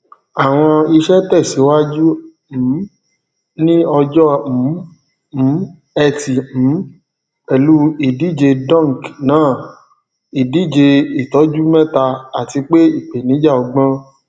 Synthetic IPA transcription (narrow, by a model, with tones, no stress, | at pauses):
a˨w̃ɔ̃˧i˧ʃɛ˦tɛ˦˨si˨˦wa˦d͡ʒũ˦˨˦ | nĩ˦ɔ˧d͡ʒɔ˦m̩̃˨˦˨ | ɛ˧tĩ˨˦ | ɛ˨lu˦i˨di˨˦˨d͡ʒe˧dɔ̃˦˨ŋ˨knãː˨˦˨ | i˨di˨˦˨d͡ʒe˧i˨tɔ˨˦d͡ʒu˦mɛ̃˦ta˧a˨ti˧k͡pe˦i˦˨k͡pe˨nĩ˨˦d͡ʒa˦˨ɔ˧ɡ͡bã˦